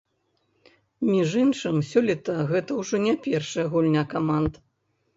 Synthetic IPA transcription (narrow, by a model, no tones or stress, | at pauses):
mʲiʐɨnʂɨmsʲɔlʲɛt̪ɐɣɛt̪ɐwʐɔnʲɛpʲɛrʂɐjɐɣulʲnʲakamand̪